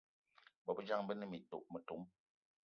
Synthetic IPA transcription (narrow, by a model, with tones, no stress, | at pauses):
bɔ˨bə˦d͡ʒa˦ŋbə˦nə˦mi˨to̰˨ʔmə˨tu˨˦m